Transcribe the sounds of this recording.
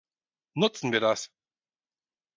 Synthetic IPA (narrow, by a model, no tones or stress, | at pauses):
nʊt͡sn̩viːɐdas